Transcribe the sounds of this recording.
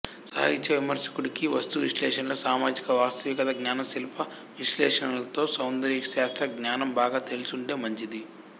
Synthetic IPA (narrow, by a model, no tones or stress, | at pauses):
sɐ̰ɦɐit͡ʃɐʋimɐɾsɐ̥kuɽikiʋɐst̪uʋiʃlɛːʂɐnɐloːsaːmaːd͡ʒikɐʋaːst̪ɐʋikɐt̪ɐɡnaːnɐmsilɐpɐ | ʋiʃlɛːʂɐnɐlɐt̪o̞ːsɐwnd̪ɐɾiːksaːst̪ɾɐɡnaːnɐmbaːɡaːt̪elusuɳɖeːmɐɲt͡ʃid̪i